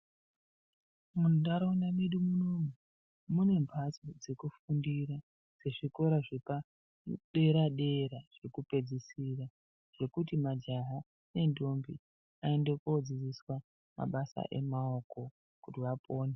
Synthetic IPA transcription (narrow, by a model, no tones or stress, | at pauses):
munoɗaɾounamiɗumunomu | mune̞mbʱat͡sod͡ze̞kufundiɾa | d͡ze̞ʐiko̞ɾaʐepa | ɗe̞ɾaɗe̞ɾaʐ̥e̞kupe̞d͡zisira | ʐ̥e̞kutimad͡ʒaɦa | ne̞ndo̞mbi | ae̞ndekod͡zid͡ziswa | ma̰ɓasa̰ʔe̞̰mao̞ko̞ | kutiʋapʰo̞ːne